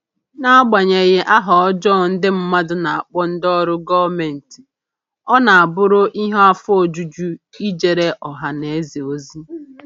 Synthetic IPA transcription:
na˦ɡ͡ba˨ɲe˨ɣe˦ʔa˦ɦɔ˨ɔ˦d͡ʒɔ˦˨n̩˦dɪ˦m̩˦ma˦dʊ˦na˨a˨k͡pɔ˦n̩˦dɔ˦ɾʊ˦ɡɔ˦me˨n̩˨ti̥˨ | ɔ˦na˨a˨bʊ˦ɾʊ˦ʔi˦ɦɔ˦a˦fo˨d͡ʒu˦d͡ʒu˦i˦d͡ʒe˨ɾe˦ʔɔ˨ɦa˨ne˨e˦zi˨o˦zi˦

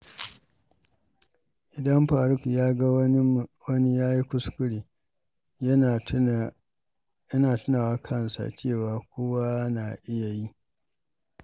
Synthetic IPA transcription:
ʔɪ˨dɐ˦mɸaː˨ɾʊ˦kjaː˦ɡa˦i˦wɐ˦ni˦jaː˦ji˦kʷʊ˦skʷʊ˦ɽeː˨ | jɐ˦naː˨tʊ˦naː˨waː˦kʰɐ˦nsa̰˨t͡ʃeː˦˨waː˨kʷoː˦wa˦na˨ʔɪ˦ja˨ji˦

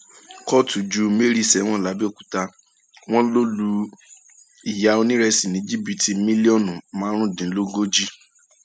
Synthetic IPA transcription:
kɔ˦tu˨d͡ʒu˨˦me˦ɾi˦˨sɛ˨˦w̃ɔ̃˦˨la˨˦bi˦o˦˨ku̥˨ta˧ | w̃ɔ̃˦lo˦lu˧ | i˨ja˨˦o˧nĩ˦ɾɛ˧si˨nĩ˨˦d͡ʒi˦bi˨ti˧mĩ˦li˦ɔ˦˨nũ˨mãː˨˦ɾ̃ũ˦˨dĩ˨˦lo˦ɡo˦d͡ʒi˦

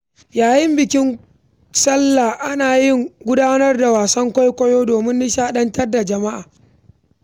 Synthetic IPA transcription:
jaː˨jɪ˦mbɪ˨kʲɪ˦ŋ | sɐ˦lːa˨ʔa˦naː˨jɪ˦ŋɡʷʊ˦daː˦nɐ˦rda˨waː˨sɐ˦ŋkʷɔ˦jkʷɐ˦joː˦doː˨mɪ˦nːɪ˦ʃaː˦ɗɐ˦ntɐ˦rda˨d͡ʒɐ˨ma˦ʔaː˨

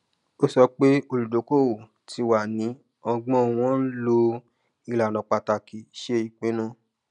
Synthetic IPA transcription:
o˦sɔ˧k͡pe˦o˧ɾu˨do˨˦ko˦˨wo˨ | ti˧wa˨nĩ˨˦ | ɔ˧ɡ͡bɔ̃˦˨w̃ɔ̃˦lo˧ | i˧˨la˨nɔ̃˨k͡pa˨˧ta˧˨ki˨ʃe˦i˨k͡pẽ˨˦nũ˦

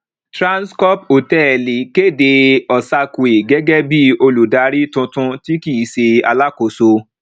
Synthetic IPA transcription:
tɾã˦nskɔ˦p̚o˨tɛ˦˨li˨ke˦˨de˧ɔ˨sa˧ku˨e˨ɡɛ˦ɡɛ˦bi˦o˧lu˨da˨˦ɾi˦tũ˧tũ˧ti˦ki˦˨se˧a˧la˦ko˨so˧

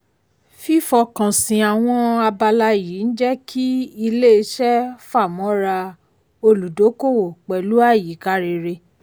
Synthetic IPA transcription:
fi˦fɔ˧kã˨sĩ˨a˨w̃ɔ̃˧a˧ba˧la˧˦˨jiː˨˦n̩˦d͡ʒɛ˦kʰi˦i˧le˦e˧ʃɛ˦fa˦˨mɔ̃˨˦ɾa˧ | o˧lu˨do˨˦ko˦˨wo˨k͡pɛ˨lu˦a˦˨ji˨˦ka˦ɾe˧ɾe˧

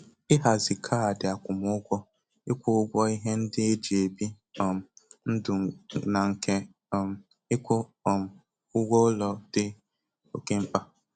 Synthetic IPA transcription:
ɪ˦ɦa˨zɪ˨kʰa˦a˨dɪ˨a˨kʷʊ˨mʊ˦ɡʷɔ˦ | ɪ˦kʷʊ˦ʊ˦ɡʷɔ˦i˦ɦe˦n̩˦dɪ˦e˦d͡ʒe˨bi˦˨ | n̩˦dʊ˨na˨ŋ̩˨kʰe˦˨ | ɪ˦kʷʊ˦˨ | ʊ˦ɡʷɔ˦lɔ˨d̥ɪ˦ | o˨ke˦m̩˦pa˦

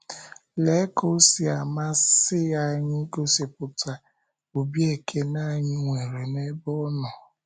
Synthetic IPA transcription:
le˨˦ko˦si˨a˨ma˦sɪ˦ja˦ɲɪ˦ko˦se˨pʊ˨ta˨ | o˨bje˦˨kʰe˦na˦˨ɲɪ˦ŋʷe˨ɾe˨ne˦bɔ˦nɔ˨

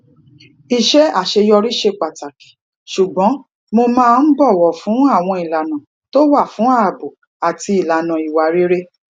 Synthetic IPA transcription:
i˨ʃɛ˦a˦˨ʃe˧jɔ˧ɾi˦ʃe˧k͡pa˨ta˨ki̥˨ | ʃu˨ɡ͡bɔ̃˨˦ | mo˧mãː˦˧n̩˦bɔ˦˨wɔ˨fũ˨˦a˦˨w̃ɔ̃˧i˨la˨nã˨ | to˦wa˦˨fũ˨˦a˦˨a˨bu˨ | a˨ti˧i˨la˨nã˨i˨wa˨ɾi˦ɾe˦

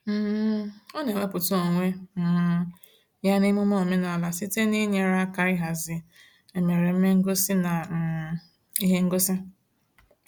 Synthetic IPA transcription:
m̩˦o˦ne˨ŋʷe˦pʊ˨tu˦o˨ŋʷe˦˨˦ | ja˦nɪ˦mʊ˦mo˦˨me˦na˨la˨si˦te˦ni˦ɲe˦ɾa˦ka˦ɾɪ˦ɦa˨zɪ˨ | e˨me˨ɾe˨m̩˦me˦ŋ̩˦ɡo˦si˦na˨ | i˦ɦe˦ŋ̩˦ɡo˦sɪ˦

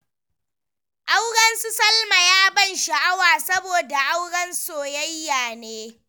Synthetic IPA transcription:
ʔa˦wɽɐ˦nsu˦sɐ˦lma˨jaː˦bɐ˦˨nʃa˨ʔa˦waː˨sɐ˦boː˨da˨ʔa˦wɽɐ˦nsoː˨jɐ˦jːaː˨neː˦

